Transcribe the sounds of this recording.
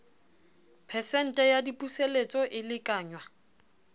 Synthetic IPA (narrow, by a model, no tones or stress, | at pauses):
pʰɛsɛn̩tʼɛjadipʼuselet͡sʼɔʔɪlɪkʼaːɲwa